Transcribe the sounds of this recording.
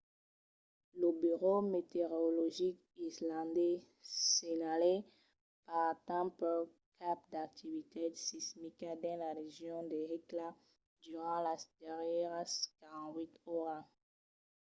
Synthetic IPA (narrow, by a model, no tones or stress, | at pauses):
ləbyʁomet̪eʁɔlɔʒik | islɑ̃d̪ɛ | seɲale | paʁt̪ãmpə | kʰap̚d̪ak̚t̪ivit̪esismikad̪ɛ̃laʁeʒjɔ̃d̪eʁekla | d̪yʁɑ̃lad̪̥ɛʁjɛʁkaʁɑ̃t̪wit̪ɔʁa